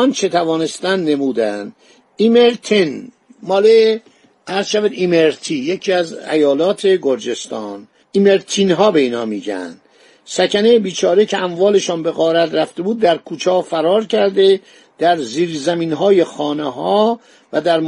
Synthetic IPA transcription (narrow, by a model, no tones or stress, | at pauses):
ɒnt͡ʃʰet̪ʰævɒːne̞st̪ænd̪ne̞muːd̪ænd̪ | imeɾt̪ʰin | mɒːle | ʔæɾzʃæviːd̪imeɾt̪ʰijecʰiːæzæ̰jɒːlɒːt̪ʰe̞ɡoɾd͡ʒe̞st̪ɒːn | imeɾt̪ʰinɦɒːbe̞iːnɒ̰ːmiːɟæ̰nd̪̥ | sæcʰænejebiːt͡ʃʰɒːɾecʰeæmvɒːle̞ʃɒːnbe̞ɣɒːɾæt̪ɾæft̪e̞buːd̪ːæɾkʰuːt͡ʃʰɒːfæɾɒːɾcʰæɾd̪e | d̪̥æɾziːɾzæmiːnɦɒːje̞xɒːneɦɒː | væd̪æɾm